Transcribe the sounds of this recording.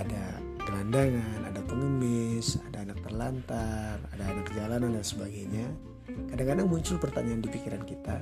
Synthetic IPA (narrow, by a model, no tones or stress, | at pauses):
ada | bəlandaŋana̰dapəŋəmɪsadaːnak̚t̪ərlant̪aradaːnakd͡ʒalanandansəbaɡajɲa | kadaŋkadaŋmuɲt͡ʃʊlpərt̪aɲaandipikiɾankit̪a̰